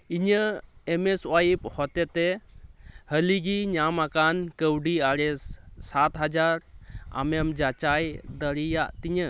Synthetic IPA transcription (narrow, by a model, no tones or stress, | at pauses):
iɲəɛmɛswajip̚hɔt̪ɛt̪ɛ | həliɡiɲamakankəwɖiaɾɛssat̪ɦad͡ʒaɾa̰memd͡ʒat͡ʃajd̪əɾijaʔt̪iɲə